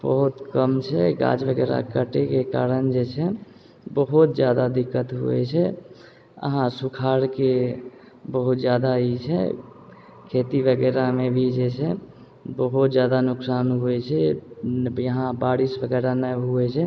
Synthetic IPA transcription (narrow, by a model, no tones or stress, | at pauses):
bəɦut̪kəmt͡ʃʰɛɡã̰d͡ʒbəɡɛːɾa̰kəʈekeka̰ːɾənd͡ʒet͡ʃʰɛ | bəɦut̪d͡ʒjaːd̪ad̪ɪkːət̪ɦṵɛ̰t͡ʃʰɛ | ə̰ɦãsukʰaːɾke | bəɦut̪d͡ʒjaːd̪ait͡ʃʰɛ̰ | kʰeːt̪ibəɡɛːɾamebʱid͡ʒet͡ʃʰɛ | bəɦut̪d͡ʒjaːd̪anʊksaːnɦuɛt͡ʃʰɛ | jəɦãbaːɾisbəɡɛːɾanəɦuɛt͡ʃʰɛ